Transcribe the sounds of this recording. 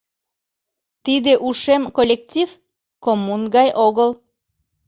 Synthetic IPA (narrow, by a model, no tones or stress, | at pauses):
t̪id̪eʔuʃemkolʲːek̚tʲiv | komunɡɑjʔoɣəl